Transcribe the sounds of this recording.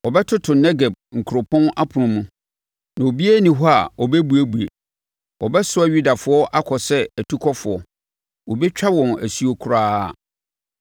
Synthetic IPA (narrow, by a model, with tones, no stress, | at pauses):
ɔ˨bɛ˦tʰʊ˦tʰʊ˨nɛ˦ɡe˨b̚ŋ̩˨kʰu˨ɾo˨pʰɔ̃˦na˦pʰʊ˨ɾʊ̃˨mũ˦ | nã˨o˨bi˦æ˦nĩ˨ɦɔ˦a˨ɔ˨bɛ˦bu˨æ˦bu˨e˨ | ɔ˨bɛ˦sʊ˦a˨ɥu˦da˨fʊ˦ɔ˦ʔa˦kʰɔ˨sɛ˦æ˨tʰu˦kʰɔ˦fʊ˨ɔ˨ | wo˨bɛ˦t͡ɕᶣa˦wɔ̃˨næ˨si˨˦o˨kʰu˦ɾaː˦a˨